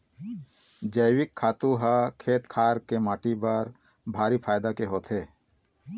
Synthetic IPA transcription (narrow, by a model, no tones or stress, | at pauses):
d͡ʒəjwɪkʰːaːt̪ũɦakʰeːt̪kʰaːɾkemaːʈibəɾ | bʱaːɾipʰaːjd̪akeɦoːt̪ʰeː